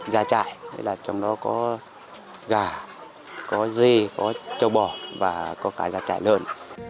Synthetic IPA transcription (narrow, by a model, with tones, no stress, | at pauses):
zaː˧t͡ɕa̰ː˧˨jnʰḛ˨˦laː˨˩t͡ɕɔ˧wŋ͡mɗɔ˨˦kɔ˨˦ | ɣaː˨˩ | kɔ˨˦zi˧kɔ˨˦t͡ɕə˨˧˩wɓɔ˨˩vaː˨˩kɔ˨˦kaː˧˩zaː˧t͡ɕa̰ː˧˨jləː˧n